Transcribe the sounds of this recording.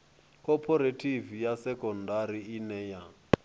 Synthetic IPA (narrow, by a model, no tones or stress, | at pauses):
kʰʼɔpʰɔɾetʰʼivijasɛkʼɔndaɾiinɛja